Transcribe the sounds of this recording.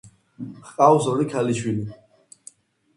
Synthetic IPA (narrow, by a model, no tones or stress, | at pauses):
hqʼawsɔlikʰaliʃwili